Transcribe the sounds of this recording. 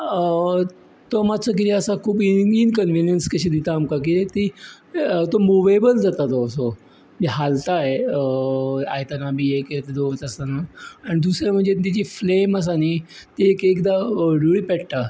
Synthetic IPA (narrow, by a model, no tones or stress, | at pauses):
t̪omad̪̚t͡səkit̪iəsakʰuːbiinkənʋinjənskəɕid̪it̪aːmkakiet̪i | t̪omuʋajbəld͡zat̪at̪oso | miɦalt̪aeəa̰jt̪anabieket̪d̪ot̪əst̪anaaɽ̃id̪usɾam̤əɳd͡zet̪id͡ʑiːfleməs̬anit̪eːkekd̪aɖuɭiːpɛɽt̪a